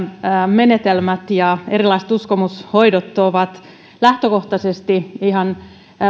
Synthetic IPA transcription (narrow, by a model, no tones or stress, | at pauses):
menet̪elmæt̪jɑeɾilɑise̥t̪uskomushoidot̪ːoʋɑt̪ | læht̪økoht̪ɑsest̪iihɑn